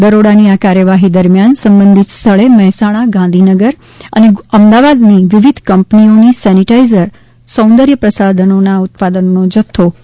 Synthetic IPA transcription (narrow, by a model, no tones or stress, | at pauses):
d̪əɾoɽaniakaɾjəʋaɦid̪əɾmjansəmbənd̪ʱit̪st̪ʰəɭemɛɦɛsãaɡãnd̪ʱinəɡəɾ | ə̰neəmd̪aʋad̪niʋiʋid̪ʱkəmpnionisɛniʈaizəɾ | sə̃w̃nd̪əɾjəpɾəsad̪ʱənonaʊt̪̚pad̪ənonod͡ʒət̪ʰːo